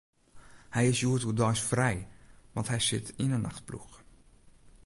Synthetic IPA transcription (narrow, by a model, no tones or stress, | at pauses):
hɛjɪsjuətudɔjsfrɛjʋɑ̰ntɦɛjsɪ̰tʰɪnənːaχt̚plṵχ